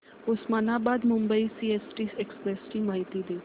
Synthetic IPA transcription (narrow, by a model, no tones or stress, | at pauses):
ʊsmaːnãːbaːd̪mʊmbəiːsiːeːsʈiːekspɾeːsʈiːmaːɪt̪iːd̪eː